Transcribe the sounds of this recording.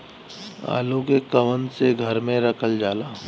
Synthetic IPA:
a̰ːlõkekɐʋənseɡʱɐɾmẽɾɐkʰəld͡ʒaːlaː

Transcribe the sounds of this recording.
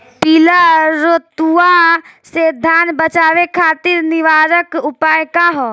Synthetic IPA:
pilaɾot̪uased̪ʱaːnbət͡ʃaːʋekʰaːt̪ɪɾnɪʋaːɾəkʊpaːjkaɦo

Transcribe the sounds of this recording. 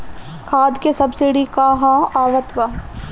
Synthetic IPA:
kʰaːd̪kesɐbsɪɽikaɦãaːʋət̪ʋa

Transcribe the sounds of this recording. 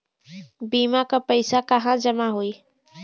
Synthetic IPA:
biːmakapəɪsakəɦãd͡ʒəmaɦoi

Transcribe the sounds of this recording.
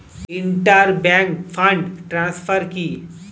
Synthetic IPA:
ɪɳʈəɾbɛ̃ŋkfʰə̃ɳɖʈɾãːsfʰəɾki

